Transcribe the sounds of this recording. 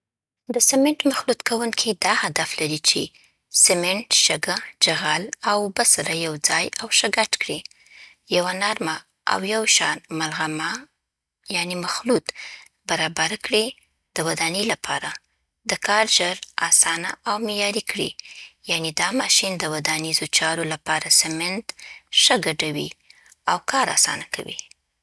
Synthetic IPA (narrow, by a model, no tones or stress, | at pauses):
d̪əsɪmɪɳʈmaxlut̪kʰawuŋkʰid̪ɑhad̪aflaɾit͡ʃe | sɪmeɳʈʃaɡad͡ʒaɣalawbasaɾajawd͡zɑjawʃaɡaʈkɽi | jawanaɾma | a̰wjawʃɑnmalɣama | janemaxlut̪ | baɾɑbaɾkɽi | d̪̥əwad̪anilapʰɑɾa | d̪əkɑɾʒəɾɑsɑnaʔawmejɑɾikɽḭjaned̪ɑmɑʃind̪əwad̪anizot͡ʃɑɾolapɑɾasamɪnd̪ʃəɡaɖawi | awkʰɑɾa̰sɑ̰nakʰa̰wḭ